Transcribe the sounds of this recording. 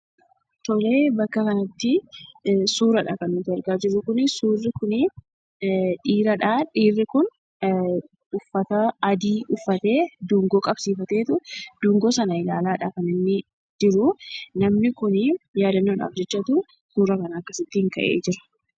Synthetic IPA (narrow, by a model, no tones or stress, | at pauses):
t̪ɔle̞ːbɐkːɐkɐnɐt̪ːɪ | suːɾɐᶑa̰ːkɐnʊt̪ɪɛɾɡaːd͡ʒɪɾːʊkʊnɪsuːrːɪkʊnɪ | ᶑiːɾɐᶑaːᶑiːrːɪkʊn | ʊfːɐt̪ɐɐd̪iːʔʊfːɐt̪e̞ːd̪uːŋɡoːkʼɐbsiːfɐt̪e̞ːt̪ʊd̪̥uːŋɡoːsɐnɐɪlaːlaːᶑaːkɐnɪnːɪ | d͡ʒɪɾʊnɐmnɪkʊnɪjaːd̪ɐnːoːna̰ːfd͡ʒɐt͡ʃːɐt̪ʊ | suːɾɐkɐnɐːkːɐsɪt̪ːɪɪŋkɐʔḛːd͡ʒɪɾɐ̥